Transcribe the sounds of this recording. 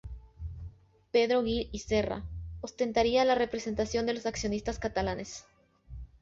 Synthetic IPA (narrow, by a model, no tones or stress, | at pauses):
pe̞ðɾo̞ɣilise̞ra̰ost̪e̞nt̪aɾialare̞pɾe̞se̞nt̪asjo̞nd̪e̞lo̞saksjo̞nist̪askat̪alane̞s